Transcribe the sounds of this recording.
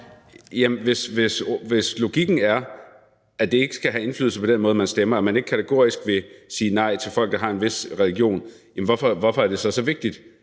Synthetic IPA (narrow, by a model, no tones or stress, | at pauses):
jæmʋe̝sʋe̝sʋe̝slo̝ɡ̥iɡ̥n̩æɐ | æd̥e̝e̝ɡ̥əsɡ̥æɦæe̝nfly̰ð̩ˠsəpʰɒ̽d̥enmɔ̽ːðˠmænsd̥emɐæɐmæne̝ɡ̥kʰæt͡sʰeɡ̥o̝ɐ̰isɡ̥ʋe̝siːnɑ̈ɪ̰t͡sʰe̝lfɒ̽l̰ɡ̥d̥ɑ̈ɦɑ̈e̝nʋe̝sʁɛliɡ̥jo̝̰ːnjæm̩ʋɒfɒ̽ʋɒfɒ̽æɐd̥e̝sɒ̽sɒ̽ʋe̝ɡ̥̚d̥id̥